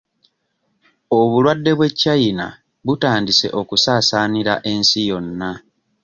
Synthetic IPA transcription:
o̞βulwadːe̞βwe̞cːajina̰ | βutaːndise̞̰ʔo̞kusaːsaːniɾa̰ʔe̞nsijo̞nːa

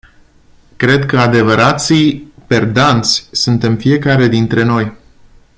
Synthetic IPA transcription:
kɾe̞d̪kəad̪e̞vəɾat̪sijpe̞rd̪ant̪sʲsunt̪e̞mfie̞kaɾe̞d̪int̪ɾe̞no̞j

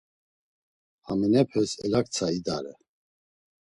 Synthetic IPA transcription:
aminɛpʰɛsɛlakt͡sʰaid̪aɾɛ

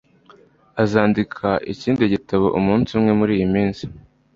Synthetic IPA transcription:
azaːndikʰaʔḭciːndiɟitaβoʔumuːnsumŋe̞muɾiːjimiːnzi̥

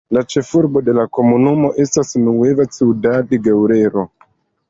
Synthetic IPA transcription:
lat͡ʃe̞fuɾbo̞de̞lako̞munumo̞ʔe̞stasnuwevat͡siudadeɡewɾe̞ɾo̞

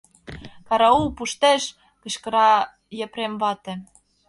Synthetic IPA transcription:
kɑɾɑupuʃt̪eʃ | kɤ̆ɕkɤ̆ɾɑ | jĕpɾemβɑt̪ĕ

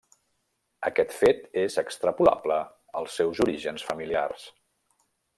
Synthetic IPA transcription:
əkɛt̪fet̪ezəkst̪ɾəpula̰blə | əlˠsɛwzuɾiʒənsfəmilia̰rs

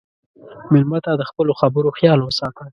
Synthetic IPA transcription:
mɪlmat̪ad̪əxpəloxabəɾoxjɑlwəsɑt̪əl

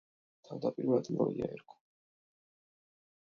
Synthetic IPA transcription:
t̪ʰavd̪apʼiɾvad̪lɔiaɛɾkʰɔ̥

